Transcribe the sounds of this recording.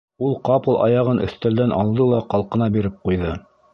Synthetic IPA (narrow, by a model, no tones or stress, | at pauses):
ulˠqɑpɤ̆lˠʔɑ̰jɑʁɤnɵ̰̆θt̪æld̪ænʔɑ̰lˠd̪ɤlˠɑqɑlˠqɤ̆nɑbiɾɘp̚qujðɤ